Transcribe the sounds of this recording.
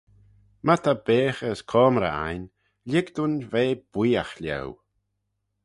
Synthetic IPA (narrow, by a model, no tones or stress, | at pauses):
mat̪ʰabeːxəskʰɔːmɾa̰a̰jn | lʲɪɡd̪unveːb̥wiːaxlʲɛ̰w